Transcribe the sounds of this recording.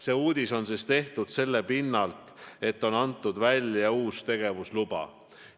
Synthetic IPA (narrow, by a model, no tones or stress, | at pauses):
se̞ːuːd̪̥ʲiso̞nsest̪e̞ht̪ud̪̥se̞lːe̞pinːɑlt̪ˑe̞t̪ːo̞nɑnt̪ːˑud̪vælʲjɑuːst̪e̞ɡ̥e̞vuslub̥ɑ̰